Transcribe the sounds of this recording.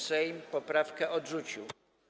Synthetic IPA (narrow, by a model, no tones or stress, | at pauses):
sɛjmpɔpɾafkɛʔɔdʐut͡ɕiw